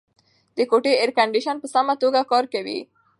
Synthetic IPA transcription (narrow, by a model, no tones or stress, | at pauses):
d̪əkoʈeɪɾkaɳɖiʃanpəsamat̪oɡakɑɾkawḭ